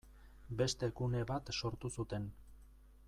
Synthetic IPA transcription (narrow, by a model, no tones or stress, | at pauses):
be̞st̪e̞kune̞βat̪so̞ɾt̪usut̪e̞n